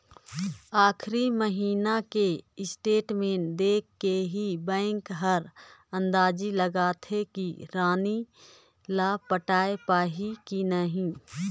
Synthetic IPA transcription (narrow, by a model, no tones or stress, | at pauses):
aːkʰɾiməɦiːnakeɪsʈeːʈmẽːnd̪eːkʰːeɦibɛ̃ːŋkɦəɾə̃nd̪aːd͡ʒiləɡaːt̪ʰekiɾaːni | laːpəʈaːepaːɦikinəɦĩː